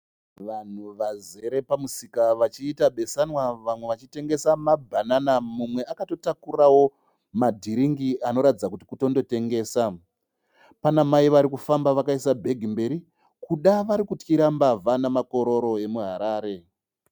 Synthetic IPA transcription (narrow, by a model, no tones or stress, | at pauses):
ʋan̤uʋaze̞ɾe̞pamusikaʋat͡ʃiːtaɓe̞sanwaʋamwe̞ʋat͡ʃite̞ŋɡe̞samabʱananamumwe̞ʔakato̞takurawo̞ | madʱiɾiŋɡiano̞ɾatid͡zakuti̥kuto̞ndo̞te̞ŋɡe̞ːsa | panamaiʋaɾikufambaʋakaisabʱe̞ɡʱimbe̞ɾi | kuɗaʋaɾikutkiɾambavanamako̞ɾo̞ɾo̞e̞muɦaɾaːɾe̞